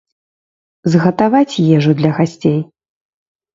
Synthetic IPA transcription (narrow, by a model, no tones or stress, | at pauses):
zɣɐt̪avat͡sʲjɛʐɨd̪lʲɐɣasʲt͡sʲej